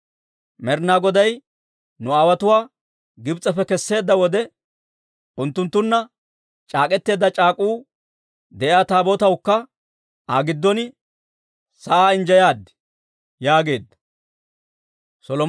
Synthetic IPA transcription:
mɛɾnaːɡɔd̪ɐj | nʊaːwɐt̪ʊwaː | ɡɪbt͡sʼɐfɛkɛsːe̞ːd̪ːɐwɔd̪ɛ | ʔʊnt̪ːʊnt̪ːʊnːɐ | t͡ʃʼaːkʼɛt̪ːe̞ːd̪ːɐt͡ʃʼaːkʼuː | d̪ɛʔjaːt̪aːboːt̪ɐwkːɐ | aːɡɪd̪ːɔn | sɐʔaːɪɲd͡ʒɐjaːd̪ːɪ̥ | jaːɡe̞ːd̪ːɐ̥ | sɔlɔ

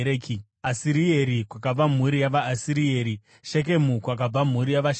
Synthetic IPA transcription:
ɾeːki | asiɾieɾikwakab͡vam̤uɾijaʋaːsiɾieːɾi | ʃe̞k̬e̞mukwak̬ab͡vam̤uɾijaʋaʃ

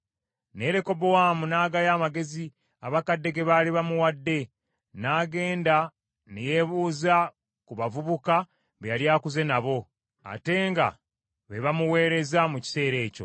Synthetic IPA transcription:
ne̞ːɾe̞ko̞bowaːmunaːɡajaːmaɡe̞zi | aβakadːe̞ɡe̞βaliβamuwadːe̞ | naːɡe̞ːnda | neje̞ːβuːza | kuβavuβuka | βejaljaːkuze̞naβo̞ | a̰te̞ːŋɡa̰ | βeβamuwe̞ːɾe̞zamuci̥se̞ːɾe̞ːco̞̰

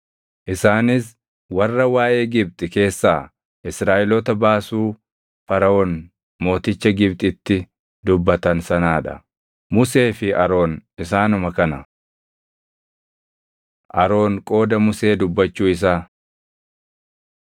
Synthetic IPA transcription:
ʔɪsaːnɪs | wɐrːɐwaːʔe̞ːɡɪb̚t̪ʼɪke̞ːsːaː | ʔɪsɾaːʔɪlɔt̪ɐbaːsuː | fɐɾɐʔɔn | mo̞ːt̪ɪt͡ʃːɐɡɪbt̪ʼɪt̪ːɪ | d̪ʊbːɐt̪ɐnsɐnaːᶑɐ̰ | mʊse̞ːfɪɐɾo̞ːnɪsaːnʊmɐkɐnɐ | ʔɐɾo̞ːnkʼo̞ːd̪ɐmʊse̞ːd̪ʊbːɐt͡ʃːuːɪs̬aː

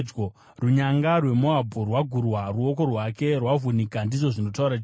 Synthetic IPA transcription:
o | ruɲaŋɡarwe̞moabʱorwaɡʱurwaruo̞ko̞rwake̞rwavʱunikandiʐo̞ʐino̞tauɾat͡ʃː

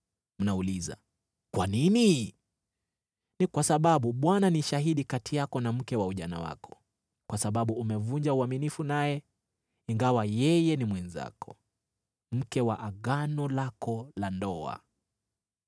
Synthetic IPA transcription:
m̩nauliza̰ | kwanini | nikwasaɓaɓuɓwananiʃaɦiɗikatijakɔnam̩kɛwauʄana̰wa̰kʰɔ̥ | kwasaɓaɓuːmɛvuɲd͡ʒauaminifunajɛ | iŋɡawajɛjɛnimwɛnza̰kʰɔ̥ | m̩kɛwaʔaɠanɔlakʰɔlandɔa̰

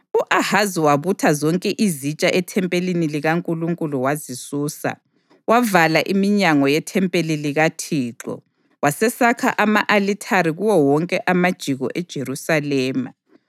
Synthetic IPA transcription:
uʔahaziwaβutʰazɔŋkʼɛʔizit͡ʃʼaʔɛtʰɛmpʼeliniliɣaŋkʼuluŋkʼuluwazisuːsa̰ | wavalaʔimiɲaŋɔjɛtʰɛmpʼeliliɣatʰiːǁɔ̰ | wasɛsakʰa̰ʔamaʔalitʰaɾiɣuwɔwɔŋkʼɛʔamad̥ʒ̥ʱiɣɔ̰ʔɛd̥ʒ̥ʱerusalɛːma̰

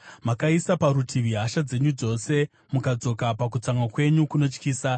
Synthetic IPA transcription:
makaisapaɾutʰiʋiɦaʃad͡ze̞ɲud͡zo̞se̞ | mukad͡zo̞kapak̬ut͡saŋwakwe̞ɲukuno̞t͡ʃkiːsa

